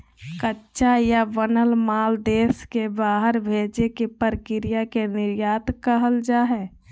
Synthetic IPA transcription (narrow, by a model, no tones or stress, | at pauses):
kətːʃajaʋənəlmaːld̪eːskebaːɦəɾbʱeːd͡ʒekepəɾkɪɾɪjakenɪɾjaːt̪kəɦəld͡ʒaːɦɛː